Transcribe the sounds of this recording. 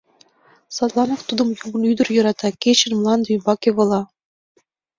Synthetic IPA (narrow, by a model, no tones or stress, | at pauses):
sɑt̪lˠɑnoft̪ud̪ɤ̆mjuɡɤ̆nyd̪ɘ̆rjɤ̆ɾɑt̪ɑkʲet͡ɕɘ̆nmlˠɑnd̪ujbɑkʲeβɤ̆lˠɑ